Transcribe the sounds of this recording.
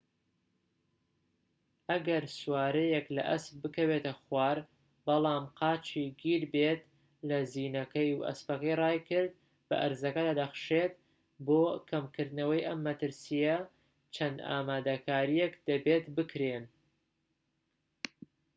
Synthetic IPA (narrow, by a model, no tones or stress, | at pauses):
ʔɐɡɐɾswaːɾɐjeklɐ̰ʔɐsp̚bɨkɐwet̪ɐxwaːɾ | bɐlˠɑːmqʰɑːt͡ʃʰiɡiɾbet̪ | lɐziːnɐkɐjuʔɐ̰spɐkɐjrɑːjkɨɾd̪̚ | bɐ̰ʔɐɾzɐkɐd̪aːd̪ɐxɨ̥ʃet̪̚ | boːkʰɐmkɨɾd̪nɐwɐjʔɐmːɐt̪ɨɾsijɐ | t͡ʃʰɐnd̪a̰ːmaːd̪ɐkʰaːɾijekd̪̥ɐbeːt̪bɨkɾen